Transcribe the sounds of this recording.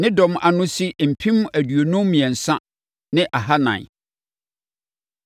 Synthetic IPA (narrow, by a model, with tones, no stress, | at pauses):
nɪ̃˦dɔ̃˨mʔa˨nʊ̃˦si˦m̩˨pʰĩ˦m˦æ˨dɥo˨nʊ̃˦m˦mĩ˨ɛ˨n̩˨sã˦ | nɪ̃˦ʔa˨ɦa˦nã̰˨